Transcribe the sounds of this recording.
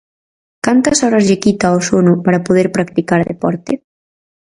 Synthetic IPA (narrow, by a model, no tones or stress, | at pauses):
kant̪ɐsɔɾazʎekit̪aosonupaɾapuð̞ɛɾpɾak̚t̪ikaɾðḛpɔɾt̪e